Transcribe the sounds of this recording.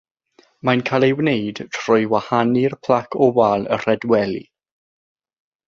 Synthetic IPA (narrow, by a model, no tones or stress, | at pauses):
mankʰalˠewnejd̥tʰr̥ʊjwahanɪrpʰl̥akʰɔwalˠə̰r̥ɛdwɛlḭ